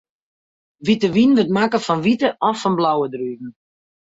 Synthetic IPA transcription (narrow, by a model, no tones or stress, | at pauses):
ʋitəʋinʋətmakəfɔnʋitəʔɔfːɔnblawədryːkn̩